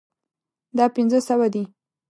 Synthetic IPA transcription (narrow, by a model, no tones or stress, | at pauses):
d̪ɑpɪnzəsawad̪i